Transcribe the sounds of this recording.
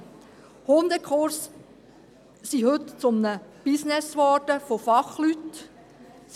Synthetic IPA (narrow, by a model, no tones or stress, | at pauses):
hond̪əkχoɾs | sihɵt̪t͡sʊmnəb̥ɪsnɛsʋɔɾd̥əfofɑχlyt̪